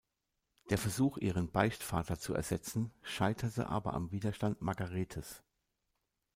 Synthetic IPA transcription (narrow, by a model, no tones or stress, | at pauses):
d̥eːɐfɛɐzuːxʔiːʁənbaɪçtfaːtɐt͡suɛ̰ɐz̥ɛt͡sn̩ʃaɪtʰɐtə̰ʔa̰ːbɐ̰ʔa̰mviːdɐʃtantmaɐɡaʁeːtʰəs